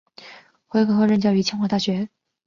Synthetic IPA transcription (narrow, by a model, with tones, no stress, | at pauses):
xwe˧˥ɪkʰɤ˧˥xɤ˧˥˧ɻə˥˧nt͡ɕjɑ˥˩ʊy˧˥t͡ɕʰjɛ˥nxwa˥˧t̪a˥˩ɕɥɛ˧˥